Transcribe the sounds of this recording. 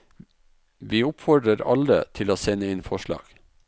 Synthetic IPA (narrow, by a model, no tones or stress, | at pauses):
ʋiːʊpfɔɖɾəɾɑ̰lə̰t̪ʰɪloːsɛnəɪnfɔʃɭɑ̰ːɡ̥